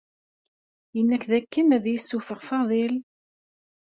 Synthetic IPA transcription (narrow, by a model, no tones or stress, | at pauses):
jənːækðækːənæðjisːufəʁfɑðˤil